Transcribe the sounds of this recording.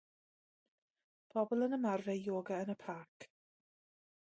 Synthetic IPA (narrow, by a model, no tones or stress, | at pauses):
pʰɔbɔlˠənəmarvɛjoːɡəənəpʰaːk